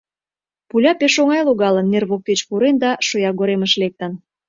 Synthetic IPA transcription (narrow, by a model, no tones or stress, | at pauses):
pulʲɑpeʃoŋɑjloɣɑlənːerβok̚t̪et͡ɕpuɾend̪ɑʃojɑɡoɾeməʃlek̚t̪ən